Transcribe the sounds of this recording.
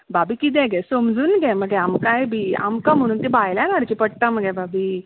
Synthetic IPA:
babikit̪̬ẽɡesomd͡zunɡeməɡeamkajbia̰mkamununt̪ibajlanaɽt͡ɕipəɽ̚t̪aməɡebabi

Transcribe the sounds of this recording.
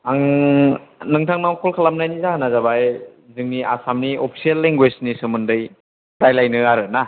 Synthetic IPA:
aŋ | nɯŋtʰaŋnawkʰɔlkʰalamnajnizaɦanazabaj | zɯŋnia̰samniopʰi̥sielːeŋɡweznisɯmɯndɯj | dajlajnɯaɾɯna

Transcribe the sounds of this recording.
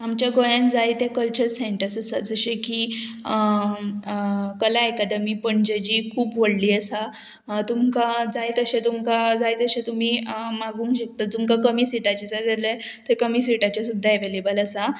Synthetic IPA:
amt͡ɕjaɡojãnd͡zajt̪ekəlt͡ɕəɾseɳʈəɾsəsad͡zəɕẽkiː | kəlaekad̪əmiːpəɳd͡ʑəd͡ʑiːkʰuːpʋoɽliːəsa | t̪umkad͡zajt̪əɕet̪umkad͡zajd͡zəɕẽt̪um̤iːmaɡũːŋkɕek̚t̪at̪umkakəmiːsiʈat͡ɕasat̪ale | t̪əkəmisiʈat͡ɕjasud̪ʱːaeʋelebələsa

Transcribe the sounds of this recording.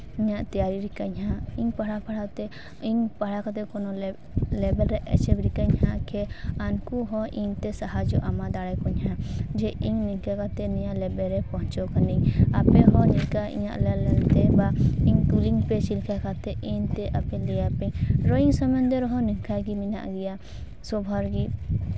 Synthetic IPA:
iɲaʔt̪ijaɾiɾikaɲɦãiɲpaɽapaɽat̪ɛ | iɲpaɽakat̪ɛkɔnɔ | lɛbɛlɾɛʔɛ̰t͡ʃɛbɾikaɲhakʰɛankuɦɔʔiɲt̪ɛsaɦad͡ʒɔʔamad̪aɽajkɔɲhad͡ʒɛʔiɲnɛŋkakat̪ɛnɛɲaʔlɛbɛɾɛpɔɦɔt͡ʃɔkaniɲapɛɦɔ̃nɛkaḭɲa̰ʔlɛlɛlt̪ɛbaiɲkuliŋpɛt͡ʃilkakat̪ɛʔiɲt̪ɛʔapɛlɛjapɛɲɾɔiŋsɔmnd̪ɛɾɔɦɔnɛŋkajɡimina̰ʔɡɛja | sɔbʱaɾɡi

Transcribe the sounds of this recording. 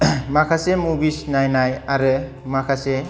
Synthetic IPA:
makʰasemubisnajnajaɾɯ | makʰase

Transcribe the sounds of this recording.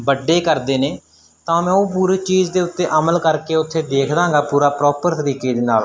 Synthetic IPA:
bəɖːeːkəɾd̪eːneː | t̪ãːmɛ̃ːoːp̬uːɾiːt͡ʃiːd͡ʒd̪eːʊt̪ːeːʔəməlkəɾkeːʊt̪ʰːeːd̪eːkʰd̪ãːŋɡaːpuːɾaːpɾɔːpəɾt̪əɾiːkeːd̪eːna̰ːl

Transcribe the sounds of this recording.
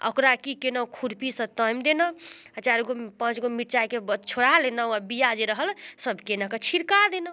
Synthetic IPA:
ə̰kɾakikenəkʰuɾpisə̃t̪əjmd̪enəət͡ʃaɾɡopə̃t͡ʃɡomiʈt͡ʃakebt͡ʃʰoɽalenəwabijad͡ʒeɾəɦəlsəbʱkenakət͡ʃʰiɾkad̪enə

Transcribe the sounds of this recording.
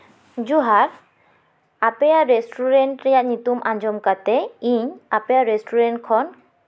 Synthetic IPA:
d͡ʒuɦaɾ | apejaɾesʈʰuɾeɳʈɾɛjaʔɲit̪umʔaɲd͡ʒɔmkat̪ɛiɲapejaɾesʈʰuɾeɳʈkʰɔn

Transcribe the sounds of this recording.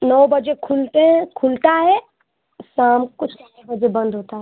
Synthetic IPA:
nɔːbəd͡ʒekʰult̪eɦɛ̃kʰʊlt̪aɦɛ | saːmkʊt͡ʃʰn | bəd͡ʒebɐ̃nd̪ɦoːt̪aɦɛ

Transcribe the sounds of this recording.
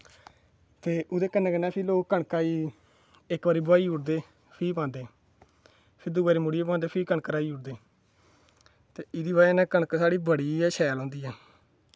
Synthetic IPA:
t̪eːʊd̪eːkənɛ̃ːkənɛ̃ːpʰɪloːkkəɳkaːiː | ɪkbaːɾiːbʊaːiːʊʈd̪eː | pʰiːpãːnd̪eː | pʰɪɾd̪ʊɡaːɾiːmʊɽieːpãːnd̪eːpʰiːkəɳkəɾaːiːʊɽd̪eː | t̪eːɪd̪iːbaːnɛ̃ːkəɳkːsaːɽiːbəɽiːɛʃɛːlɔ̃ːnd̪iːɛː

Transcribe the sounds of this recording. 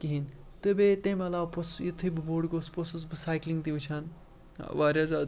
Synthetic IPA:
kiɦint̪ɨbet̪emɐlaːposjit̪ʰɨbɨboɽɡosposusbɨsaːjkliŋɡt̪iʋɨt͡ʃʰan̰ | ʋaːɾʲjazaːd̪

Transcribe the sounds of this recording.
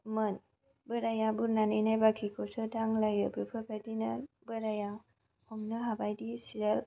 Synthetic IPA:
mɯn | bɯɾajabuɾnanɯjnajbakʰikʰosɯdaŋlajɯbɯpʰɯbʰadina | bɯɾaja | hɔmnɯɦabajdisiɾal

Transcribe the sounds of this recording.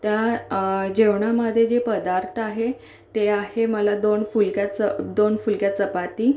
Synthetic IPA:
t̪ja | d͡ʑeʋɳaməd̪ʱjed͡ʑepəd̪aɾt̪ʰaɦe | t̪eaɦeməlad̪onfulkjat͡səd̪onfulkjat͡səpat̪iː

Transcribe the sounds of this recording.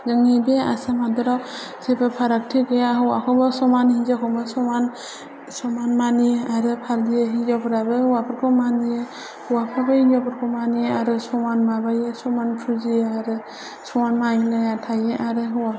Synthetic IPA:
ɡɯŋibea̰samhadɔɾaw | sepʰɯpʰaɾak̚tʰekɯjaɦɯwa̰kʰɔbɔsɔmanhid͡ʒakʰɔmɯsɔman | sɔmanmaniaɾɯpʰaɾdijeɦid͡ʒɔpʰɯɾabɯhuwapʰɯɾkʰɔmanijɯ | huwapʰabɯhid͡ʒɔpʰɯɾkʰɔmanijaɾɯsɔmanmabajɯsɔmanpʰɯzijaɾɯ | sɔmanmajinajatʰajeʔaɾɯɦɯwa

